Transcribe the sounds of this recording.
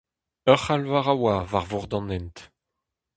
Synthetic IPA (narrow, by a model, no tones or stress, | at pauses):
œχalvaʁawavaʁvuʁd̪ɑ̃nɛnt̪